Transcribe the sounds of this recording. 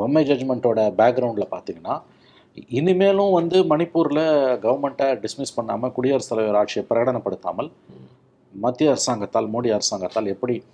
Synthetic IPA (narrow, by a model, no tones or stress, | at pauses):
ʋɛmːed͡ʒɐd͡ʒmɛɳʈoːɽɐbaːk̚ɡɾɐʊɳɖɪlɐpaːɾt̪iːŋɡɐnːaː | ɪnːɯmeːlʊ̃ʋɐnd̪ɯmɐnɪpːuːɾlɐɡɐʋɐɾmɛɳʈɐɖɪsmɪspɐɳːa̰ːmɐkʊɽɪjɐɾɐst̪ːɐlɐʋoːɾaːʈʂɪjɐpɪɾɐjɐɽɐnɐpːɐɽɯt̪ːa̰ːmɐl | mɐt̪ːjɐɐɾɯsaːŋɡɐt̪ːaːlmuːɽiɐɾɯsaːŋɡɐt̪ːaːlɛpːɐɽi